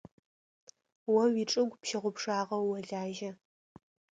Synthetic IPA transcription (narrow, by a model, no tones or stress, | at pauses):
wɐwiːʈ͡ʂʼɨɡʷpʃɪʁʷʊpʂaːʁɐwːɐɮaːʒɐ